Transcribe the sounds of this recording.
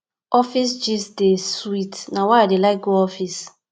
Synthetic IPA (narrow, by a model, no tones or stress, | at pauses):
ɔfisd͡ʒisdeswitnawaadelaɪɡoɔfis